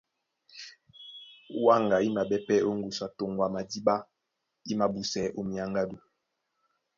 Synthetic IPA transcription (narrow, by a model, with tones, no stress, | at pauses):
wa˦˨ŋɡa˨i˦ma˨bɛ˦pɛ˦o˦ŋɡu˨sa˨to˨ŋɡwa˨ma˨di˦ba˦ | i˦ma˨bu˨sɛ˨ʔo˦mi˨a˨ŋɡa˦du˨